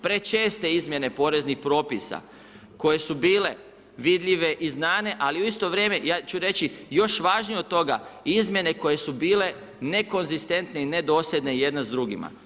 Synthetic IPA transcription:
pɾe̞t͡ʃe̞ːst̪e̞izmje̞ne̞po̞ɾe̞znixpɾo̞ːpisa̰ | ko̞je̞subiːle̞ | ʋid̪ʎʲiʋe̞ʔiznaːne̞ʔaliuist̪o̞ʋɾje̞ːme̞jaːt͡ʃuɾe̞t͡ʃijo̞ʃʋaːʒnijo̞t̪̚t̪o̞ɡa̰izmʲje̞ne̞ko̞je̞subiːle̞ | ne̞ko̞nzist̪e̞nt̪neine̞d̪o̞ːsjed̪neije̞d̪nazd̪ɾuɡḭma̰

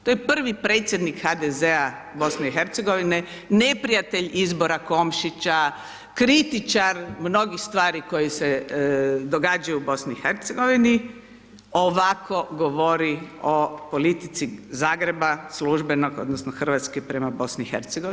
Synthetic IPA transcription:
t̪ojepr̩ʋipɾeːt̪sʲje̞d̪nikxad̪ezea | bo̞sneiɦeɾt̪seɡo̞ʋine | ne̞pɾijat̪eʎizboɾako̞mʃit͡ɕa | kɾit̪it͡ʃaɾmno̞ɡixst̪ʋaːɾiko̞jese | d̪oɡaːd͡ʒajuːbo̞sniixeɾt̪seɡo̞ʋini | oʋakʰo̞ɡoʋoɾio̞polit̪it̪sizaːɡɾe̞basluʒbe̞no̞ɡo̞̰d̪nosnoxr̩ʋat̪skipɾe̞mabo̞sniːxeɾt̪seɡoʋ

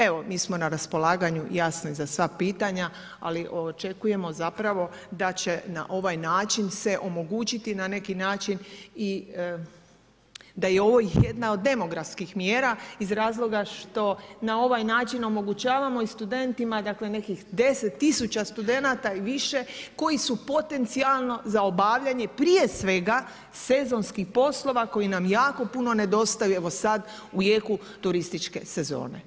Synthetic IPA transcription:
e̞ʋomiːsmo̞naɾaspo̞lˠaːɡaɲujasnizasʋapiːt̪aɲa | aliʔo̞t͡ʃe̞kuje̞mo̞zapɾaʋo̞d̪at͡ɕe̞na̰ʔo̞ʋajnaːt͡ʃinse̞ʔo̞mo̞ɡuːt͡ɕit̪inane̞kinaːt͡ʃini | d̪ajeo̞ʋo̞jixje̞d̪nao̞d̪ːe̞mo̞ɡɾafskixmjeːɾaizɾaːzlˠo̞ɡaʃt̪o̞nao̞ʋajnaːt͡ʃino̞mo̞ɡut͡ɕaːʋamo̞ist̪ud̪e̞nt̪imad̪akle̞ne̞kixd̪e̞set̪ːisut͡ɕast̪ud̪e̞nat̪aiʋiʃe̞ko̞jisupo̞t̪e̞nt̪sialˠno̞zao̞baʋʎaɲe̞pɾije̞sʋe̞ɡa | se̞zo̞nskixpo̞slˠo̞ʋako̞jinamjaːko̞puno̞ne̞d̪o̞st̪ajue̞ʋo̞sad̪ | ujeku | t̪uɾist̪it͡ʃke̞̰se̞zo̞̰ːne̞̰

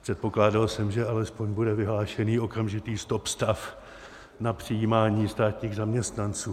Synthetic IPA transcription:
pr̥ɛt̪̚po̞klaːdalsɛmʒɛalɛspo̞ɲbudɛvɪɦlaːʃɛniːo̞kamʒɪt̪iːst̪o̞pst̪af | napr̝̥ɪjiːmaːɲiːst̪aːt̪ɲiːɣzamɲɛst̪nant͡suː

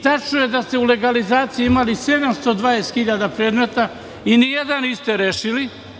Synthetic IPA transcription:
t̪at͡ʃnuje̞d̪ast̪eule̞ɡalizaːt̪siiimalise̞d̪amst̪o̞d̪vajest̪xiʎad̪apɾe̞ːd̪me̞t̪a | inijed̪anist̪eɾeːʃili

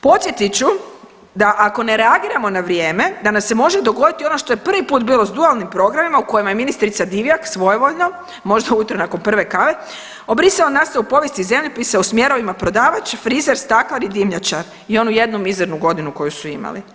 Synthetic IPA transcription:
po̞t̪sjet̪it͡ʃu | d̪aʔako̞ne̞ɾe̞aɡiːɾamo̞naʋɾje̞ːme̞d̪anamse̞mo̞ʒed̪o̞ɡod̪it̪io̞no̞ʃt̪o̞jepr̩ʋipuːt̪biːlˠo̞zd̪ualˠnimpɾo̞ɡɾamimauko̞jimaje̞minist̪ɾit̪sad̪iʋjaksʋo̞jeʋo̞ʎno | mo̞ʒd̪aujut̪ɾonako̞npr̩ʋe̞kaʋe̞ | o̞bɾiseonast̪aupo̞ʋjest̪ize̞mʎopiseusmje̞ɾo̞ʋimapɾo̞d̪aːʋat͡ʃfɾizeɾst̪aklˠaɾid̪imʎat͡ʃaɾ | io̞nuje̞d̪numizeɾnuɡo̞d̪inuko̞jusuima̰lḭ

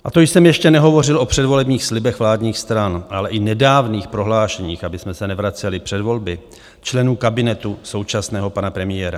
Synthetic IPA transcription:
ʔat̪ojsɛmjɛʃcɛnɛɦo̞vo̞r̝ɪlʔo̞pr̥ɛdvo̞lɛbɲiːxslɪbɛxvlaːdɲiːxst̪ɾanʔalɛʔɪnɛdaːvniːxpɾo̞ɦlaːʃɛɲiːxʔabɪsmɛsɛnɛvɾat͡sɛlɪpr̝̥ɛdvo̞lbɪ | t͡ʃlɛnuːkabɪnɛt̪uso̞wt͡ʃasnɛːɦo̞panapɾɛmɪjɛːɾa

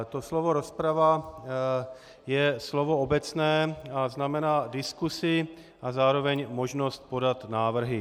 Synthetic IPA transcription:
t̪oslovo̞ɾo̞spɾava | jɛslovoobɛt͡snɛːaznamɛnaːdɪskusɪ | ʔazaːɾo̞vɛɲmoʒno̞st̪̚po̞dat̪naːvr̩ɦɪ

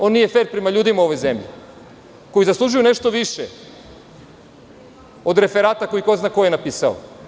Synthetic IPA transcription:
o̞nijefeɾpɾemaʎuːd̪imauo̞ʋo̞jzemʎḭ | ko̞jizaslˠuʒujune̞ʃt̪o̞ʋiʃe | o̞d̪ɾe̞feɾaːt̪ako̞ikoznaːkojenapiːsao̰

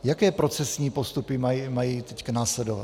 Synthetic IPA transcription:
jakɛːpɾo̞t͡sɛsɲiːpost̪upɪmaimajiːt̪ɛckanaːslɛdova̰t

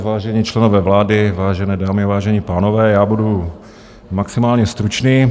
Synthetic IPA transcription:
vaːʒɛɲiːt͡ʃlɛnovɛːvlaːdɪvaːʒɛnɛːdaːmɪavaːʒɛɲiːpaːnovɛːjaːbudu | maksɪmaːlɲɛst̪ɾut͡ʃniː

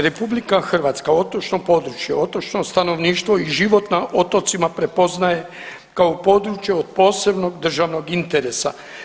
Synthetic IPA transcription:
ɾe̞publikaxr̩ʋat̪skao̞t̪ot͡ʃnopo̞d̪ɾut͡ʃje̞o̞t̪ot͡ʃnost̪ano̞ʋniːʃt̪ʋo̞iʒiʋo̞t̪naʔo̞t̪o̞t̪simapɾe̞po̞znaje̞ | kaopo̞d̪ɾut͡ʃje̞od̪̚po̞ːse̞bno̞ɡd̪r̩ʒaʋno̞ɡint̪eɾe̞sa

